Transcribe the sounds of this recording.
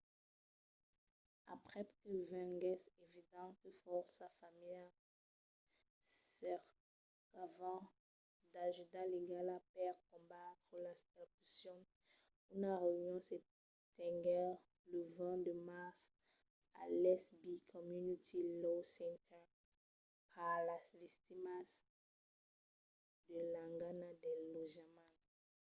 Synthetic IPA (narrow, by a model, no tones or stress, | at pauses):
a̰pχɛkəvɛ̃ɡɛsevid̪ɑ̃kəfɔʁsafamija | sɛʁ | kavɑ̃ | d̪aʒyd̪aleɡalapɛʁkɔ̃bat̪χəlast̪ɛpysjɔ̃ | unaʁeynjɔ̃se | t̪ɛ̃ɡɛʁ | ləvɛ̃d̪əmaʁs | a̰lɛsbikʰɔmynit̪ilosɛ̃nt̪ʰɛʁ | pʰaʁlasvist̪imas | d̪əlãŋɡanad̪ɛloʒamãn